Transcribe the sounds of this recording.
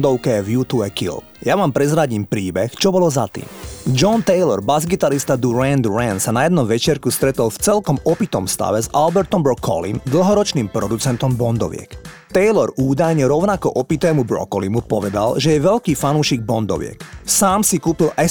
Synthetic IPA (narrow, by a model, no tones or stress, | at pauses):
d̪ɔʊkɛvjut̪uɛkḭl | jaʋaːmpɾɛzɾaɟiːmpɾiːbɛxt͡ʃɔbɔlɔzat̪ḭːmd͡ʒɔnt̪ɛjlɔɾbazɡit̪aɾist̪ad̪uɾɛnd̪ɾɛnsanajɛd̪nɔmʋɛt͡ʃɪɛɾkust̪ɾɛt̪ɔlft͡sɛlkɔmɔpit̪ɔmst̪a̰ʋɛzalbɛɾt̪ɔmbɾɔkʰɔ̰lḭmd̪l̩ˠɦɔɾɔt͡ʃniːmpɾɔd̪ut͡sɛnt̪ɔmbɔnd̪ɔ̰ʋɪɛ̰kt̪ɛjlɔɾuːd̪ajɲɛɾɔʊnakɔʔɔpit̪ɛːmubɾɔ̰kɔlimupɔʋɛd̪a̰lʒɛjɛʋɛʎkiːfanuːʃiːɡ̚bɔnd̪ɔ̰ʋɪɛ̰ksaːmsikuːpilʔɛ